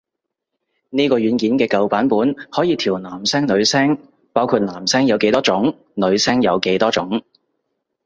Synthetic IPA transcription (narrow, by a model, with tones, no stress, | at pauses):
niː˥kɔː˧jyː˨˥nkiː˨˥nkɛː˧kɐ˨wpaː˨˥npuː˨˥nhɔː˨˥jiː˨˧t̪ʰiː˨˩wnaː˨˩msɛː˥ŋlɵ˨˧ɥsɛː˥ŋ | paː˥wkʰuː˧t̚naː˨˩msɛː˥ŋjɐ˨˧wke˨˥jt̪ɔː˥t͡ʃʊ˨˥ŋ | nɵ˨˧ɥsɛː˥ŋjɐ˨˧wke˨˥jt̪ɔː˥t͡ʃʊ˨˥ŋ